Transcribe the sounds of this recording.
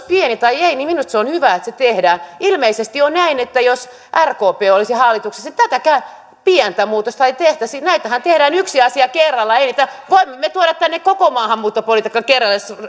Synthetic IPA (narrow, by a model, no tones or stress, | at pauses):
pienit̪ɑieiniminust̪seonhyʋæet̪set̪ehdæːnilmeisest̪ionnæinet̪ːæjos | ʔærkoːpeːolisihɑlːit̪ukse̥sit̪æt̪ækæy | piɛnt̪æmuːt̪ost̪ɑit̪eht̪æsinæit̪æhænt̪ehdæːnyksiɑsiɑkerːɑlːɑeiniːt̪æʋoimːemːet̪uoɾɑt̪t̪ænːekkokomɑːhɑmːuːt̪ːopolit̪ikːɑkerːɑlːes